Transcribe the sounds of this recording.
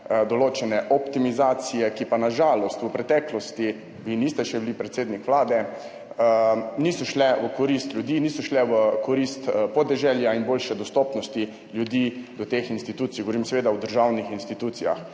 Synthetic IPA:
d̪ɔloːt͡ʃɛnɛʔɔpt̪imizaːt̪sijɛkipanaʒaːlɔst̪ʋəpɾɛt̪ɛklɔst̪i | ʋinist̪ɛʃɛbilipɾɛt̪seːd̪nikʋlaːd̪ɛ | nisɔʃlɛʋəkɔɾist̪lʲjud̪iniːsɔʃlɛʋəkɔɾist̪pɔd̪ɛʒɛljainboːlʃɛd̪ɔst̪ɔːpnɔst̪i | ljud̪id̪ɔt̪exinst̪it̪uːt̪sijɡoʋoɾimsɛʋeːd̪awd̪əɾʒawnixinst̪it̪ut̪sija̰x

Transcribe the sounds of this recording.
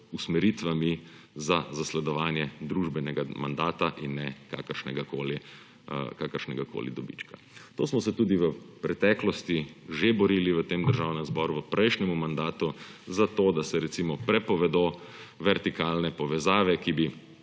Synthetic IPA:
usmɛɾiːt̪ʋami | zazaslɛd̪ɔʋaːnjɛd̪ɾuːʒbɛnɛɡama̰nd̪aːt̪aʔinːɛka̰ːkəɾʃnɛ̰ɡakoːli | kaːkəɾʃnɛɡako̰ːlḭd̪ɔbḭt͡ʃka | t̪o̰ːsmɔsɛt̪uːd̪iʋəpɾɛt̪ɛklɔst̪iʒebɔɾiliʋət̪eːmd̪əɾʒawnɛ̃mzbɔɾuʋəpɾʔɛjʃnɛmumand̪aːt̪uzat̪oːd̪asɛɾɛt̪simɔpɾɛpɔʋɛd̪o | ʋɛɾt̪ikaːlnɛpɔʋɛzaːʋɛkibi

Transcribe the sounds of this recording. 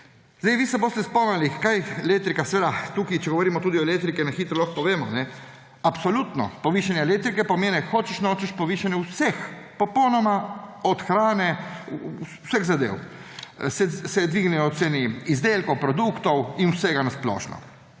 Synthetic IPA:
zd̪ajʋiːst̪ɛboːst̪ɛspɔmnalikajelek̚t̪ɾikasɛʋeːd̪at̪uːkit͡ʃɛɡoʋoɔɾimɔt̪uːd̪iɔelek̚t̪ɾikɛnaxiːt̪ɾɔlɔxpɔʋeːmɔnɛ | apsɔlut̪nɔ̰pɔʋiːʃanjɛlek̚t̪ɾikɛpɔmeːnɛxoːt͡ʃɛʃnoːt͡ʃɛʃpɔʋiːʃanjɛwsɛx | pɔpɔwnɔmaɔt̪xɾaːnɛ | sɛɣzad̪ḛːw | sɛsɛd̪ʋiɡnɛjɔt̪seːniːzd̪elkowpɾɔd̪ukt̪ɔwinwsɛɡanasplɔ̰ːʃnɔ̰

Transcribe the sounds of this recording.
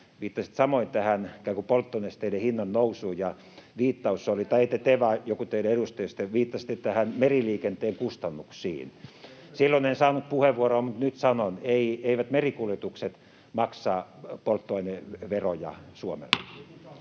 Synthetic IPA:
ʋiːt̪ːɑsĭ̥t̪sɑmoint̪æhænkækupolt̪ːonest̪eilehinːɑnnousuːjɑ | ʋiːt̪ːɑusːolit̪ɑeit̪ːæt̪eʋɑjokut̪eileeɾust̪ejost̪ːeʋiːt̪ːɑsi̥t̪ːet̪æhænmeriliːkent̪eːŋkust̪ɑnːuksḭːnsilːonensɑːnut̪̚puheʋːuoroːmut̪nyt̪sɑnoneieiʋæt̪merikuljet̪ukset̪ | mɑksɑːpolt̪ːoɑineʋerojɑ̰suomḛlːe

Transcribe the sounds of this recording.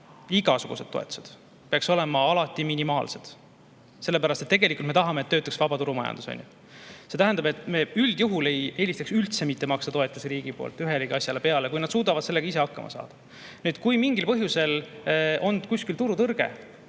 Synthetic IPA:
iɡɑsuɡ̥ṵse̞d̪̥̚ːo̞e̞t̪u̥se̞d̪̥ | peɑkso̞le̞mɑɑlɑt̪ːˑiminimɑ̰ːlse̞d̪̥ | se̞lːe̞pæɾɑst̪et̪ːeɡelikult̪me̞t̪ɑɦɑmeːt̪ːøːt̪ːuksvɑbɑt̪uɾumɑjɑ̰nd̪uso̰nʲjṵ | se̞t̪æɦænd̪ɑbe̞t̪ˑme̞yld̪̥juɦule̞je̞ːlʲist̪ɑksylt̪se̞mit̪ːˑemɑkst̪ɑt̪oe̞t̪ːˑuseɾiːɡ̥ipo̞̰ːlt̪ˑːyɦeliɡiɑsʲjɑle̞pe̞ɑle̞kujnɑd̪suːd̪ɑvɑd̪seleɡ̥ɑis̬e̞ɑkːɑ̰mɑ̰sɑ̰ːd̪̥ɑ | nyːd̪kujmiŋɡilpɤɦjuse̞lo̞nd̪̥kusʲkilt̪uɾut̪ɤrɡ̥e̞̰

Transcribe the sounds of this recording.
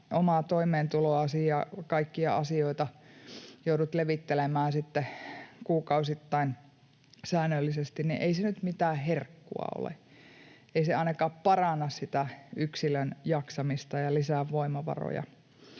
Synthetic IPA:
omɑˑt̪oimeːnt̪uloɑsijɑkɑikːiɑɑsioit̪ɑ | joudut̪leʋit̪ːelemæːnsit̪ːekuːkɑusit̪ːɑin | sæːnːølːisest̪innḭʔeisenyt̪mit̪æːherkːṵɑ̰o̰lḛ | ʔeiseɑinɑkɑːppɑrɑnːɑssit̪æyksilønjɑksɑmist̪ɑjɑlisæʋʋoimɑʋɑ̰ro̰jɑ̰

